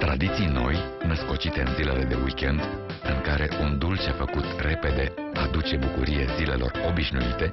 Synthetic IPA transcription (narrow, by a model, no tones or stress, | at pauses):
t̪ɾad̪it̪sijno̞̰j | nəsko̞t͡ʃit̪e̞mzile̞le̞d̪e̞̰wikʲe̞nd̪ | ɨŋkaɾe̞ʔund̪ult͡ʃefəkut̪re̞pe̞d̪e̞ | ad̪ut͡ʃe̞bukuɾijezile̞̰lo̞̰ro̞biʃnuit̪e̞